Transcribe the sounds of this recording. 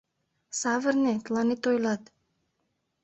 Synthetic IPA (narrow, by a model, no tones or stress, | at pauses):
savərnɛt̪lˠanit̪ojlat̪